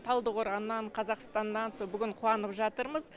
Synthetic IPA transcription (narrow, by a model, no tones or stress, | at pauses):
t̪ʰɑlˠd̪əqoɾʁɑnːɑɴqʰɑzɑqst̪ɑnd̪ɑnsolˠbʏɡʲɪɴqʰuɑnəpʒɑt̪əɾməz